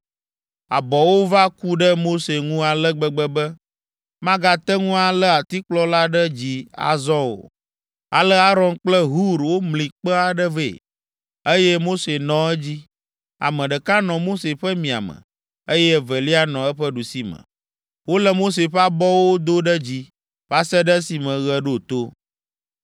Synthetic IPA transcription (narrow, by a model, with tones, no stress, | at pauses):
a̰˨bɔ˨wo˦va˦ku˦ɖə˦mo˦se˨ŋũ˦a˨lə˦ɡ͡bə˨ɡ͡bə˦bə˦ | mã˦ɡa˨t̪ə˦ŋũ˦a˨lə˦a˨t̪i˦k͡plɔ˦la˦ɖə˦d͡ʑi˨a̰˨zɔ̃˦o̰˨ | a̰˨lə˦a˦ɾɔ˦nk͡plə˦ɦu˦ɾwo˦mlĩ˨k͡pə˦a˨ɖə˦vḛ˨ | ə˦jɛ˦mo˦se˨nɔ̃˨ɛ˦d͡ʑi˦ | a̰˨mə̃˨ɖə˨ka˦nɔ̃˨mo˦se˨ɸɛ˦mĩ˨a̰˨mə̰̃˨ | ə˦jɛ˦və˨li˦a˦nɔ̃˨ɛ˦ɸə˦ɖu˨si˦mə̰̃˨ | wo˦lə˨mo˦s̬e˨ɸɛ˦a˦bɔ˦wo˦d̪o˦ɖə˦d͡ʑi˦ | va˦sɛ˦ɖə˦si˨mə̃˨ɣɛ˨ɖo˦˨t̪o˦